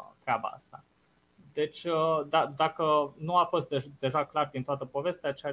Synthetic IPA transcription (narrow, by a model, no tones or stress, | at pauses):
t̪ɾeaba̰a̰st̪a | d̪e̞t͡ʃʲəd̪ad̪akənuafo̞st̪̚d̪ed̪e̞ʒaklard̪int̪oat̪əpo̞ve̞st̪eat͡ʃea